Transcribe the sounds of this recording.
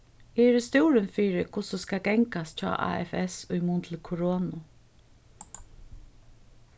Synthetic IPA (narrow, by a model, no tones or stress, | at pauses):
ɛɾɪst̪uːɾənfiːɾɪkʰʊsɔskaɡɛŋkast͡ʃɔ̰ːʔa̰ːɛ̰fɛsʊjmunt̪ʰlɪkʰʊɾoːnʊ